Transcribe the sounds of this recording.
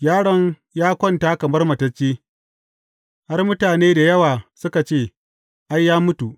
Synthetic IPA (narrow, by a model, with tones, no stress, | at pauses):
jaː˦ɽɐ˦ŋ | jaː˦kʷɔ˦˨ntaː˦kɐ˨mɐ˦rmɐ˨tɐ˦t͡ʃːeː˦ | ha˦rmʊ˦taː˨neː˦da˨jɐ˦waː˨sʊ˦ka˨t͡ʃeː˦˨ | ʔa˦jːaː˦mʊ˦tu˨ʔ